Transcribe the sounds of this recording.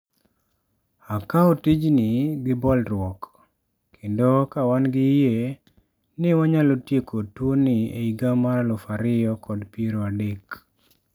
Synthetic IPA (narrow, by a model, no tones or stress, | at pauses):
akaotɪd͡ʒnɪɡɪbɔlɾwɔk | kʰendokawanɡɪje | nɪwaɲalotjekotwonɪḛiɡamaɾalɔfaɾɪjɔkʰɔdpieɾoadek